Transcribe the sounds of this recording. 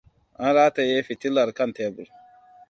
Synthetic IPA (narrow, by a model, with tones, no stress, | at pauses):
a˦n˦ɾaː˦te˨je˦fi˨ti˦la˨ɾka˦ntɛ˨˦bu˨ɾ